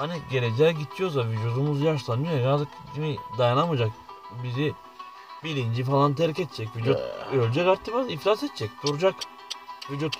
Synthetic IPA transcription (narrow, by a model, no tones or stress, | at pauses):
haniɟe̞ɾed͡ʒɛːɟit̪ʰːijoɾsavid͡ʒ̪jod̪umuzjaʃlˠanɯjojajat̪ɯkd͡ʒimid̪ajanamɯd͡ʒak | bizi | bilʲind͡ʒifalˠant̪ʰeɾicɛt̪t͡ʃʰɛcvid͡ʒut̪ølʲd͡ʒɛkaɾt̪ʰːifaniflʲasɛt̪t͡ʃʰɛc̚d̪uɾd͡ʒak | vid͡ʒut̪